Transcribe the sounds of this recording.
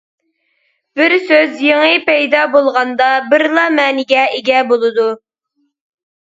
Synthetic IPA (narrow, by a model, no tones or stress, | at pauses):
b̥ɪɾsøzjeŋɨpɛjd̪ɑbolˠʁɑnd̪ɑbɪɾlˠɑmɛːnɪɡʲɛeɡʲɛbolˠɨd̪u